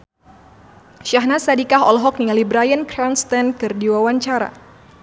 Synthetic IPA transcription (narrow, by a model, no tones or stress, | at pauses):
ʃaɦnasadikaɦɔlɦɔk̚nialibɾajənkɾanst̪ɛnkɨrdiwawaɲt͡ʃaɾa̰